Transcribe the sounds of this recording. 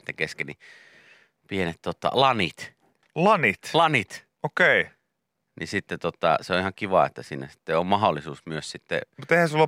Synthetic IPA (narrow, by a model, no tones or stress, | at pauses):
t̪ːækeskeni | pienet̪t̪ot̪ːɑ̰lɑnit̪ | lɑnit̪lɑnit̪ | okeˑi | nisit̪ːet̪ot̪ːˑɑ̰seoʔihɑŋkiʋɑḛt̪ːæsiːnæsi̥t̪ːeommɑholːˑisuːsmyøssit̪ːḛmut̪ehæ̃sulɑ